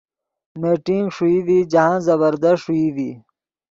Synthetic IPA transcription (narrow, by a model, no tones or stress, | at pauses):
meːʈiŋɡʂuiːd̪iːd͡ʑɐɦãːzɐβəɾd̪ɐʂʂuid̪iː